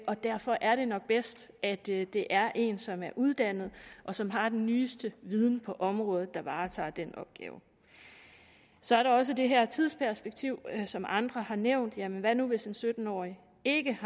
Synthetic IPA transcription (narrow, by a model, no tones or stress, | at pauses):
ʔɒ̽d̥æɐfɒ̽ʔæɐɾ̥e̝nɒ̽ɡ̥̚b̥esd̥æd̥d̥e̝ʔæɐʔe̝̰ːnsɒ̽mæɐʔuð̞ˠd̥æn̰ð̞̩ˠʔɒ̽sɒ̽mɦɑ̈d̥enːyːsd̥əʋið̞ˠn̩pʰɒ̽ʔɒ̽mʁɔ̽ːð̩ˠd̥ɑ̈ʋɑ̈ːt͡sʰɑ̰̈ːd̥enɒ̽b̥̚ɡ̥ɛ̰ːʊ | sɒ̽æɐɾɑ̈ɒ̽s̬əd̥e̝ɦæɐt͡sʰiðˠspʰæɐsb̥eɡ̥̚t͡sʰiʊ̰sɒ̽mʔɑ̈nd̥ʁɐhɑ̈neʊ̰nd̥jæmenʋænuʋe̝sdensød̥n̩ɒ̰ːi | e̝ɡ̥əh